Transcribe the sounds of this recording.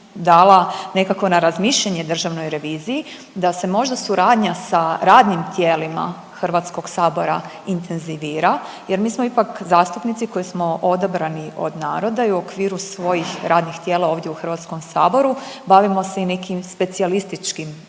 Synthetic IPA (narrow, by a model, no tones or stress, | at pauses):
d̪aːlˠane̞kakʋo̞naɾazmiːʃʎaɲe̞d̪r̩ʒaʋnojɾe̞ʋiːziji | d̪ase̞mo̞ʒd̪asuɾaːd̪ɲasaɾaːd̪nimt̪jeːlima̰ | xr̩ʋat̪sko̞ɡsaːbo̞ɾa | int̪ʰe̞nziʋiːɾa | je̞ɾmiːsmoipakzaːst̪upnit̪siko̞jismo̞ʔo̞d̪abɾaniʔo̞̰d̪naːɾo̞d̪aiuokʋiːɾusʋo̞jixɾaːd̪nixt̪jeːlao̞ːʋd̪jeuxr̩ʋat̪sko̞msaːbo̞ɾubaʋimo̞se̞ine̞kimspe̞t̪sialist̪it͡ʃkim